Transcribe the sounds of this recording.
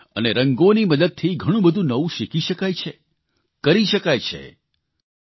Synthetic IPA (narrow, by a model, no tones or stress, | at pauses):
ə̰neɾəŋɡoniməd̪əd̪̚t̪ʰiɡʱəɽ̃ũbəd̪ʱũnəʋũʃikiʃəkajt͡ʃʰe | kəɾiʃəkajt͡ʃʰḛ